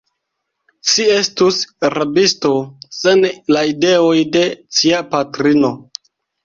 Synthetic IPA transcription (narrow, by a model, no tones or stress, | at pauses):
ʃie̞stusɾabisto̞senlaide̞ojde̞t͡ʃiapatɾino̞